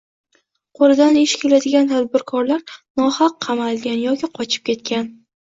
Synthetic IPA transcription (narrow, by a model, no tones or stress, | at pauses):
qʰolˠɪd̪anɪʃkʲʰe̞lad̪ɪɡʲant̪ʰad̪̚bɪɾkʰɒɾlaɾnɒhɑqːʰɑmalˠɡʲanjɒkʲɪqʰɒt͡ʃʰɪ̥p̚kʲʰe̞t̪̚kʲan